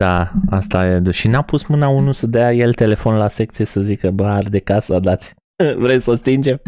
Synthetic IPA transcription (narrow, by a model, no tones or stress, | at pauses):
d̥̪aast̪ajed̪uʃinapusmɨnaunusəd̪əjaje̞lt̪e̞le̞fo̞nlase̞k̚t̪sijesəzikəbəard̪ekasad̪at̪sʲ | vɾemʲsəst̪ind͡ʒe̞m